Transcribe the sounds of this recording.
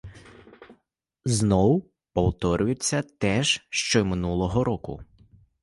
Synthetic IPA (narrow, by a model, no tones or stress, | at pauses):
znɔw | pɔwt̪ɔɾʲʊjʊt͡sʲːɐt̪ɛʒʃt͡ʃɔmɪnulˠɔɦɔɾɔkʊ̰